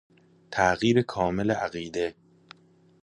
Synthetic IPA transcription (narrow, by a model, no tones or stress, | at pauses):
t̪ʰæʔɣiːɾekʰɒːmeleʔæɣiːd̪e̞